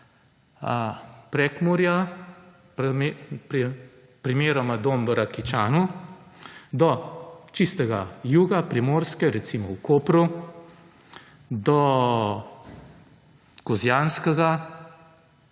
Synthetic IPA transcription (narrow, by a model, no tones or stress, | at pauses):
pɾɛkmuɾja | mpɾ | pɾimeːɾɔmad̪oːmʋəɾakit͡ʃaːnu | d̪ɔt͡ʃist̪ɛɡajuːɡapɾimoːɾskɛɾɛt̪simɔwkoːpɾu | d̪ɔ | kɔzjaːnskɛɡa